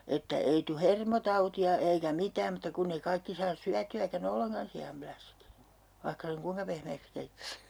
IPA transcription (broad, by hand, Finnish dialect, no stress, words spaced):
etːæ ei tu hermotɑutiɑ eikæ mitæːm mutːɑ kunːeĭ kɑikːi sɑːs syætyækæn olːeŋkɑn siɑmplæsk ʋɑihkɑ seŋ kuiŋkɑ pehmeːks keitːæs